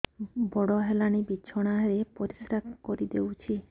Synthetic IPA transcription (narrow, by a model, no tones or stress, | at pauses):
bɔɽoɦelañibiːʃʰoɽ̃aɾepoɾisɾak̪koɾid̪ewt͡ʃʰi